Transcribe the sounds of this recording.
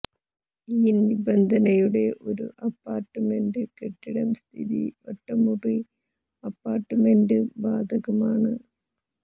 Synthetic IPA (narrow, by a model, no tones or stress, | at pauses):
iːnʋibɐnd̪ʱɐnɐjuɽe̞ʔo̞ɾṵʔɐpːaːrʈːɨme̞ndɨkeʈːiɽɐmst̪ʰiðḭʋɐʈːɐmuri | ɐpːaːrʈːɨmendɨbaːd̪ʱɐɣɐmaːɳɨ